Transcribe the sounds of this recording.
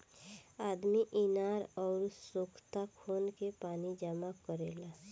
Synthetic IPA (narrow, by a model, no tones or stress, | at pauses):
aːd̪miʔɪnaːɾɔːɾsokʰt̪akʰoːnkepaːnid͡ʒəmakəɾeːla